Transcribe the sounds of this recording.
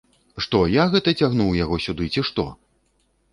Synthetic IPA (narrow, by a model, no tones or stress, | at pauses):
ʂt̪ɔjaɣɛt̪ɐt͡sʲaɣnuwjaɣɔsʲud̪ɨt͡sʲiʂt̪ɔ̰